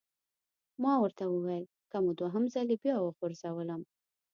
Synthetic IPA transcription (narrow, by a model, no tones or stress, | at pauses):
mɑwəɾt̪awəwajəl | kamod̪waɦəmzalebjɑwəxoɾzawələm